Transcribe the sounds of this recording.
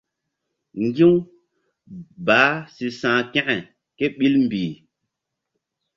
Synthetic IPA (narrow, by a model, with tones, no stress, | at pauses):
ŋ˦ɡi˦w | baː˨˦si˨sãː˨kɛ̃˦ʔɛ˨ | ke˦ɓi˦lm̩˨biː˨